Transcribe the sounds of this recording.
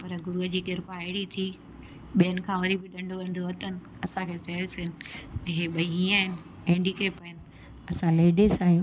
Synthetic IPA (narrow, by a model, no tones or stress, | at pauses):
pɐɾɡʊɾuɦəd͡ʑiːkɪɾpaɪɽit̪ʰiː | ɓijənɪ̆kʰãːʋɐɾibɪɗɐ̃ɳɖʱoʋɐ̃nɖd̪oʋɐt̪ənɪ̆ | ɐsãkʰeːsɐesɪnɪ̆ɦeɓɐiĩːaːɦɪnɪ | ẽɳɖikeːpɐɦənɪ̆ | ɐsãleːɖeːsaːɦijũː